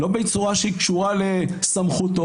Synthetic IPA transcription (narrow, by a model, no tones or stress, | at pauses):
lo̞bejt͡suʁaʃeikʃuʁalesamχut̪o